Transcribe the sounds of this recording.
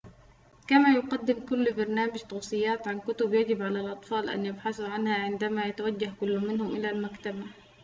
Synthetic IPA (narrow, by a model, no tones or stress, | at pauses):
kamajʊqɑd̪ːɪmkʊlːbɑɾˤnaːmad͡ʒt̪ˤɑwsˤɨjːaːt̪ʕankʊt̪ʊbjad͡ʒɪbʕalalʔɑt̪ˤfɑːlʔa̰njabħaθuʕanhaʕɪnd̪amajat̪awad͡ʒːahkʊlːʊmɪnhʊmʔɪlalmakt̪aba